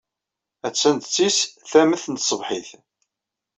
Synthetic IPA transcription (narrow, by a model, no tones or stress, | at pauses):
æt͡sːænt̪t͡sːisθæməθənt̪sˤəvħiθ